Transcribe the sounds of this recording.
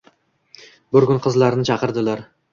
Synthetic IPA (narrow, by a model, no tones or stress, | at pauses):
bʊɾɡʲʊnqʰɨzlaɾnɪt͡ʃʰɑqɨɾd̪ɪlaɾ